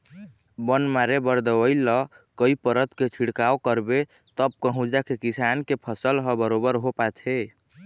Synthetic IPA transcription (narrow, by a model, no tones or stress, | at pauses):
bənmaɾebəɾd̪əwəjlːɔ | kəipəɾət̪ket͡ʃʰiɽkaokəɾbe | t̪əb̚kəɦũd͡ʒd͡ʒakekisankepʰəsəlɦəbəɾobəɾɦopatʰe